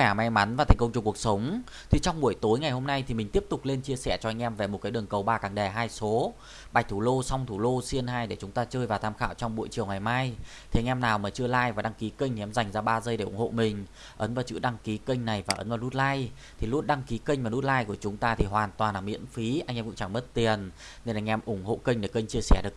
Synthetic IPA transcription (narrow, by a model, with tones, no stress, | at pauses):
ɛ˧˩ma˨˧jma˨˦nvaː˨˩a˨˩ŋ̟kə˧ŋ͡mt͡ɕʊ˨˩ku˨˩ək̚sə˨˦wŋ͡m | t̪ʰi˨˩t͡ɕɔ˧wŋ͡mɓu˧˩əjt̪o˨˦jŋa˨˩jho˧mna˧jt̪ʰi˨˩mï˨˩ŋ̟t̪i˦˥əp̚t̪ʊ˨˩k͡p̚le˧nt͡ɕi˧əsɛ̰˧˩t͡ɕɔ˧ʔa˧jŋ̟ʔɛ˧mve˨˩mo˨˩t̚kaː˨˦jɗɨ˨˩əŋkə˨˩wɓaː˧kaː˨˩ŋɗɛ˨˩ɦaː˧jso˨˦ | ɓa˨˩k̟̚t̪ʰu˧˩lo˧sa˧wŋ͡mt̪ʰu˧˩lo˧si˧ənɦaː˧jɗe˧˩t͡ɕʊ˨˦ŋ͡mt̪aː˧t͡ɕəː˧jvaː˨˩t̪ʰaː˧mxa̰ː˧˨wt͡ɕɔ˧ŋ͡mɓṵ˧˨jt͡ɕi˨˩əwŋa˨˩jmaː˧jt̪ʰi˨˩ʔŋ̟ʔɛ˧mnaː˨˩wmaː˨˩t͡ɕɨ˧əlaː˧jvaː˨˩ɗa˧ŋki˨˦ki˧ŋ̟ʰi˨ɛ˧mza˨˩jŋ̟zaː˧ɓaː˧zə˧jɗe˧˩ʔʊ˧˩ŋ͡mho̰˧˨mï˨˩ŋ̟ | ʔə˨˦nvaː˨˩wt͡ɕɨ̰˧˨ɗa˧ŋki˨˦kə˧ŋ̟na˨˩jvaː˨˩ʔə˨˦nvaː˨˩nu˦˥t̚laː˧j | t̪ʰi˨˩lu˧ənɗa˧ŋki˨˦kə˧ŋ̟vaː˨˩nu˦˥t̚laː˧jku˧˩ət͡ɕʊ˨˦ŋ͡mt̪aː˧t̪ʰi˨˩ɦwaː˨˩nt̪waː˨˩nlaː˨˩mḭ˧˥ənfi˨˦ʔa˧ŋʔɛ˧mkʊ̰˧˥ŋ͡mt͡ɕa˧˩ŋmə˦˥t̚t̪i˨˩ən | ne˧na˧˩ŋ̟ʔɛ˧mʔʊ˧˩ŋ͡mɦo̰˧˨kə̈˧ŋ̟ɗe˧˩kə˧jŋ̟t͡ɕi˧əsɛ˧˩ɗɨ˨˩ək̚